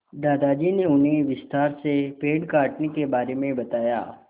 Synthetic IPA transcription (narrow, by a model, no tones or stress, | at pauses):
d̪aːd̪ad͡ʒiːneʊnɦeʋɪst̪aːɾsepeːɖkaːʈnekebaːɾemẽbɐt̪aːja̰ː